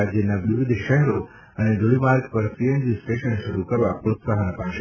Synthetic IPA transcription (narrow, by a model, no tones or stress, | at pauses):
ad͡ʑjənãʋɪʋɪd̪ʱʃɛɦɾo | əned͡ʒolimaɾkpəɾsiend͡ʑisʈeʃənʃəɾukəɾʋapɾoksaɦəñpaʃ